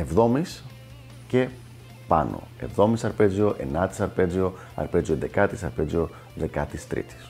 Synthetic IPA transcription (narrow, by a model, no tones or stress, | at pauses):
e̞vðo̞mis | ce̞ | pɐ̰no̰e̞̰vðo̞misɐɾpe̞zio̞ʔe̞̰nɐt̪i̥sɐɾpe̞zio̞ | ɐ̰ɾpe̞zioed̪e̞kɐt̪isɐɾpezio̞ | ðe̞kɐt̪ist̪ɾḭt̪i̥s